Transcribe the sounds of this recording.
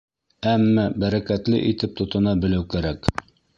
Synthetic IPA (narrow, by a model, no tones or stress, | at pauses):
æmːæbæɾækæt̪lɘ̰ʔit̪ɘp̚t̪ŏt̪ɤ̆nɑbɘ̆læwkæɾæk